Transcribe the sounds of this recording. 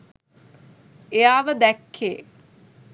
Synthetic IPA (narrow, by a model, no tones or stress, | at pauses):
ejaːʋəd̪ɛkʰːḛː